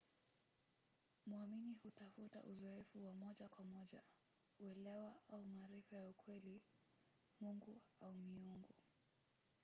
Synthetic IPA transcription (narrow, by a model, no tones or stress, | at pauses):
muaminihutafuta̰ʔuzɔɛfuwamɔʄakwamɔʄa | uɛlɛwaaumaɾɛfajaukʰwɛli | muŋɡuaumiuŋɡu